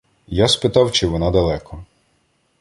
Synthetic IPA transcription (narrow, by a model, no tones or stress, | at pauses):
jaspɪt̪ɑwt͡ʃɪʋɪnɑd̪ɐlˠɛkʰɔ